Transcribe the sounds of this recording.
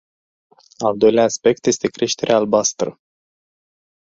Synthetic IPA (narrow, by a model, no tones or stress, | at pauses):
ald̪o̞jleaːspe̞k̚t̪je̞st̪e̞kɾe̞ʃt̪e̞ɾʔeaːlbast̪ɾə